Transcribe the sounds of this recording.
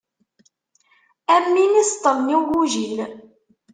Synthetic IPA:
æmmːinist̪ˤːəlniɡuʒil

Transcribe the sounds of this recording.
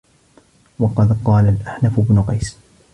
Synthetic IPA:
wɑqɑd̪qɑːlalʔaħnafʊbnʊqɑjs

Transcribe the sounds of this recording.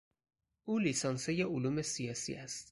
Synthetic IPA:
ʔuːliːsɒnsejeʔʊluːme̞sijɒːsḭːʔæst̪

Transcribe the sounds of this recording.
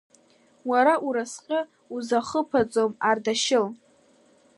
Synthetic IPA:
waɾaʔuɾasqʲʼɪ | uzaχəpʰat͡sʼomardaʃɪl

